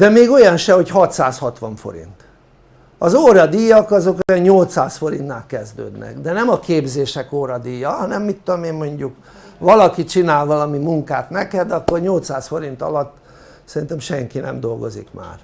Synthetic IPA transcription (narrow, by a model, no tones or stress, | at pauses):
d̪ɛmeːɡo̞jɒnʃɛho̞chɒt̪saːshɒt̪ʋɒɱfo̞̰ɾḭnt̪ | ɒzoːɾɒd̪ijːɒkɒzo̞kojɛɲɲolt̪saːsfo̞ɾint̪naːlkɛzd̪ø̰ːd̪nɛ̰ɡd̪ɛnɛmɒkeːbzeːʃɛkoːɾɒd̪ijːɒɦɒnɛmːit̪ːod̪omeːmːo̞ɲɟuk | ʋɒlɒkit͡ʃinaːlʋɒlɒmimuŋkaːt̪nɛkɛd̪ɒkːo̞rɲo̞lt̪saːsfo̞ɾint̪ɒ̰lɒt̪ː | sɛɾint̪ɛmʃɛŋkinɛ̰md̪o̞lɡo̞zḭkma̰ːr